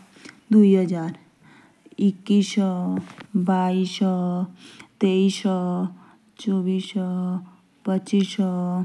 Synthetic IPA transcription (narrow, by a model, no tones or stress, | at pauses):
d̪uiɦəd͡ʒaːɾ | ikːis | bais | t̪eis | t͡ʃobisə | pət͡ʃis